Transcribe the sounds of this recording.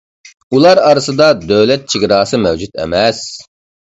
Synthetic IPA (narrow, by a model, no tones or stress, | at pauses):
ulˠɑɾɑɾɨsɨd̪ɑd̪øwlɛt̪̚t͡ʃʰiɡʲɾɑːsɨmɛwd͡ʒut̪ɛ̰mɛs